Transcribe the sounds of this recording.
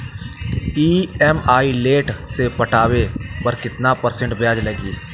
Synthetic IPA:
iːɛmaːileːʈsepɐʈaːwepɐɾkɪt̪napɐɾsə̃ɳʈbjaːd͡ʒlɐɡiː

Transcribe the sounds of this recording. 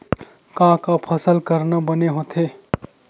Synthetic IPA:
kãkapʰəsəlkəɾnabəneɦot̪ʰe

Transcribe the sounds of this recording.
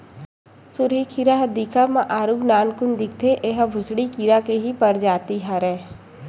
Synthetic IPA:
sʊɾikʰiɾaɦɐd̪iːkʰamãʔaːɾuɡnaːnkʊnd̪ɪkt̪ʰeʔeːɦəbʱʊsɽikiːɾakeɦipɐɾd͡ʒaːt̪iɦaɾɛː

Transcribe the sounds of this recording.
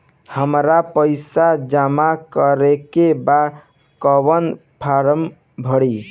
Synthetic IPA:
həmɾapəɪsad͡ʒamakəɾekeba | kəβən | pʰaɾəm | bʱəɽi

